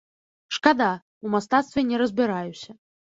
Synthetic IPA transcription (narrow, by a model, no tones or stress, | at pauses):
ʂkad̪a | umast̪at̪st̪vʲenʲɛɾəzbʲɪɾajusʲɐ